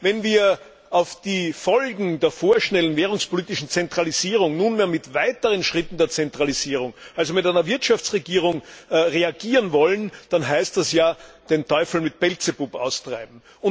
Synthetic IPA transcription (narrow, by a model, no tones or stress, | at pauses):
vɛnviːɐ | ʔaʊfd̥iːfɔlɡŋ̩deːɐfoːɐʃnɛlənveːʁʊŋspoliːtɪʃn̩t͡sɛntʁ̥aliziːʁʊŋnuːnmeːɐmɪtvaɪtəʁənʃʁ̥ɪtn̩deːɐt͡sɛntʁ̥aliziːʁʊŋʔalzomɪtæɪnɐvɪɐtʃaft͡sʁeɡiːʁʊŋʁeaɡiːʁənvɔlənd̥anɦæɪstdɛsjaːd̥entʰɔʏfl̩mɪt̚b̥ɛlt͡sebupʔa̰ʊstʁ̥a̰ɪb̚m̩ | ʊ